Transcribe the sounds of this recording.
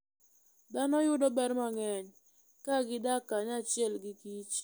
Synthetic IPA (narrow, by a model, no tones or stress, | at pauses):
d̪anɔjʊdɔbɛɾmaŋɛɲ | kaɡɪdakaɲat͡ʃɪɛlɡɪkit͡ʃ